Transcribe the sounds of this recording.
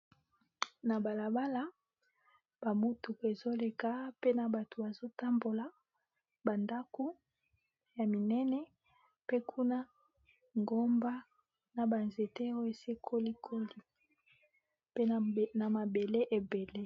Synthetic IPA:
na˨ba˨la˨ba˦la˦ | b̥a˨mu˦tu˨ke˨zo˦le˨ka˦pe˦na˨ba˨tʰo˨ba˨zo˦ta˦mbo˨la˨ | ba˨nda˦ko˦ | ja˨mi˨nɛ˦nɛ˦ | pe˦kʰu˦na˦ | ŋɡo˦mba˦ | na˨ba˨nze˨te˦o˦e˨se˦kʰo˦li˦kʰo˦li˦ | pe˦na˨ma˨be˨le˦ʔe˨be˨le˦

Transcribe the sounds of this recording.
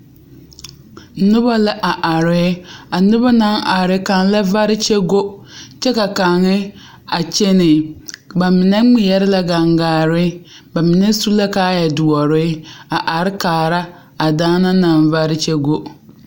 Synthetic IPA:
nʊ˦ba˦la˦ʔa˨ʔa˨ɾɪ˦a˨nʊ˦ba˦na˨˦ŋʔa˨ɾɪ˦ka˨ŋ˦la˦va˦ɾɪ˦t͡ʃɛ˦ɡo˦t͡ʃɛ˦ka˨ka˨ŋɪ˦ | a˨t͡ʃe˦nɪ˨ba˨mɪ˨nɛ˦ŋ͡mɪ˦jɛ˦ɾɪ˦la˦ɡa˨ŋɡaː˨ɾɪ˦ | ba˨mɪ˨nɛ˦su˦la˦kaː˦jɛ˨dʊ˨ɔ˨ɾɪ˦a˨ʔa˨ɾɪ˦kaː˨ɾa˦ | a˨daː˦na˦na˨nva˦ɾɪ˦t͡ʃɛ˦ɡo˦ʔ

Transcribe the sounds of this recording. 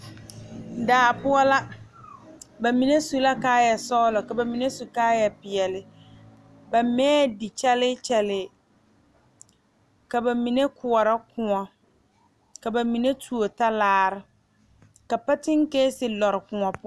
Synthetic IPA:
daː˨pʊ˦ɔ˦la˦ | ba˨mi˨ne˦su˨la˦kaː˦jɛ˨sɔː˦lɔ˨ka˨ba˨mi˨ne˦su˨kaː˦jɛ˨pɪ˨ɛ˨lɪ˨ | ba˨mɛː˦˨di˨t͡ʃɛ˦lɪ˦t͡ʃɛ˦lɪː˨ | ka˨ba˨mi˨ne˦kʊ˨ɔ˨ɾa˦kʊ̃˨ɔ˨ | ka˨ba˨mi˨ne˦tʰu˨o˨ta˦laː˦ɾɪ˦˨ | ka˨pa˦tɪ˦ŋ˦ke˦sɪ˨lɔ˨ɾɪ˨kʊ̃˨ɔ˨pʊ˦

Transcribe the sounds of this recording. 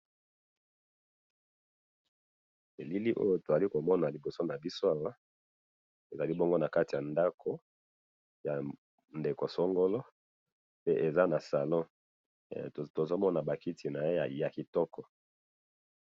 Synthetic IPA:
e˨li˦li˦ʔo̰˦jo˦to˨a˨li˦ko˨mɔ˦na˨li˨bo˨so˦na˨bi˦so˦a˨wa˦ | e˨za˨li˦bo˦ŋɡo˦na˨ka˦ti˨ja˨nda˦kʰo˦ | ja˨ | nde˨ko˨sɔ˦ŋɡo˦lɔ˦ | pe˦ʔe˨za˦na˨sa˨lɔ̃˦ | to˨zo˦mɔ˦na˨ba˨ki˦tʰi˨na˨je˦ja̰˨ja˨ki˨tɔ˦kɔ˨

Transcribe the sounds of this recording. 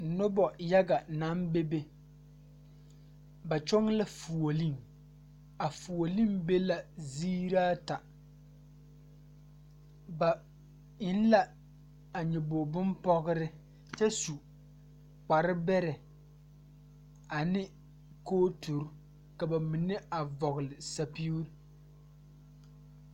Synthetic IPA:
nʊ˦bɔ˨ja˦ɡa˨na˦mbe˦be˦ | ba˨t͡ʃɔ˦ŋ˦la˦fu˨o˨li˦ŋ | a˨fu˨o˨li˦mbe˦la˨ziː˦ɾaː˦ta˨ | ba˨ | ɪ˨˦n˦la˦ | a˨ɲɛ˨bo˨bʊ˦mpɔ˦ɣɨ˦ɾɪ˦ | t͡ʃɛ˦su˨ | k͡pa˨ɾɪ˦bɛ˦ɾɛ˨ | a˨nɪ˦ | koː˦tu˨ɾ | ka˨ba˨mi˨nɪ˦a˨vɔ˨ɣʊ˨lɪ˨sa˦pi˦u˦ɾ

